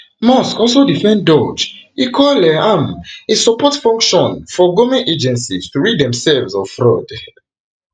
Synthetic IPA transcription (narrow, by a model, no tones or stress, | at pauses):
mɔskɔlsodifɛ̃ndɔd͡ʒikʰɔlɛamesɔpɔtfɔ̃ŋkʃɔ̃nfɔɡomĩnʔed͡ʒɛ̃nsistuɹidɛ̃msɛlvzɔfɹɔd